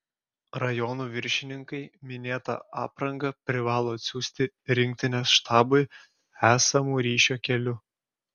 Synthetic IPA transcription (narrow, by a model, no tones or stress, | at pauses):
ɾɐjɔnuːʋʲɪɾʲʃʲɪnʲɪŋkɐɪmʲɪnʲeːt̪ɐ̰ɑ̰ːpɾɐŋɡɐpʲɾʲɪʋɑːlˠoːɐt̪ʲsʲuːsʲt̪ʲɪ | ɾʲɪŋʲk̚ʲt̪ʲɪnʲɛsʃt̪ʰɑːbʊɪ | æːsɐmuːɾʲiːʃʲoːkʲɛlʲʊ